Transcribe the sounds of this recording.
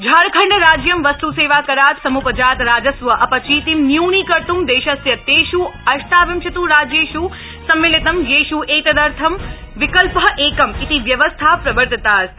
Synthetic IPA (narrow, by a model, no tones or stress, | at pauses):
d͡ʒʱaːɾkʰəɳɖəɾaːd͡ʒjɐmʋɐst̪useːʋakɐɾaːt̪sɐmupəd͡ʒaːt̪ɾaːd͡ʒɐsʋɐʔɐpɐt͡ʃʰit̪imnjuːnikɐɾt̪umd̪eːʃɐsjɐt̪ːeːʃuɐʃt̪ʰaːʋimʃɐt̪uɾaːd͡ʒeːʃuː | sɐmːilit̪ɐmjeːʃuːʔeːt̪ɐd̪ɐɾt̪ʰɐm | ʋɪkəlpəʔeːkɐmit̪iʋjɐʋəst̪ʰapɾɐbəɾd̪ət̪aːs